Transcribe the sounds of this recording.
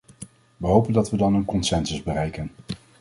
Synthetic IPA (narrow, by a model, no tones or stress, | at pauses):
ʋəɦowpəndɑtʋədɑnənkɔnsɛnsəzbərɛjkən